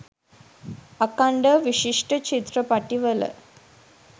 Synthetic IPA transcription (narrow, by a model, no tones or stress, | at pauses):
ɐkaɳɖɐʋiʃiʂʈət͡ʃit̪ɾɐpaʈiʋɐlə̰